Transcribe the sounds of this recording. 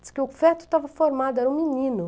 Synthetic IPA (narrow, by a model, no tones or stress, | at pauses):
ɪ̥skɪʊfɛt̪ʊ̥t̪avɐfoɾmad̪ʊɛɾɐũminĩnʊ